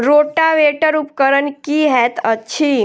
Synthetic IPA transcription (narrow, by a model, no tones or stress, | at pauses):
ɾoʈaʋeʈəɾupkəɾənkiɦɛt̪ətːʃʰi